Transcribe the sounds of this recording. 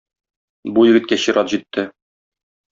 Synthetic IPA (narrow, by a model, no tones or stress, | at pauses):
bujɘ̆ɡɘt̪kæɕiɾʔɑt̪ʑit̪ʰːɘ